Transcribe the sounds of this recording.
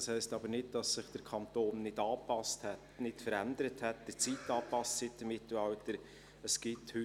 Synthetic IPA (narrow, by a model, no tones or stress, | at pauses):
shɛɪstɑbənɪd̚d̥ɑsːɪχd̥əɾkʰɑnt̪oːnːɪdɑːpɑsthɛtnɪtfəɾændəɾəthɛt̚d̥ət͡siːtːɑːpɑstsɪt̚d̥əmɪtl̩ɑwtəɾ | əsɡ̥ɪthʏ